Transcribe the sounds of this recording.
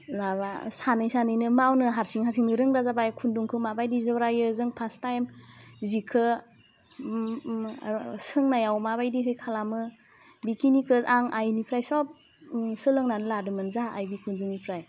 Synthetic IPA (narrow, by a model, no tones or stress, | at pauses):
labasanajsanɯjnɯmawnɯɦaɾsiŋɦaɾsiŋnɯɾɯŋɾazabajkʰunduŋkʰɯmabajdizɯbɾajɯzɯŋpʰastajmzikʰɯ | sɯŋnajawmabajdiɦɯjkʰalamɯ | bikʰinikʰɯzaŋʔajnipʰɾajsɔp̚ | sɯlɯŋnanɯladɯmɯnzaːjbikʰunzɯŋnipʰɾaj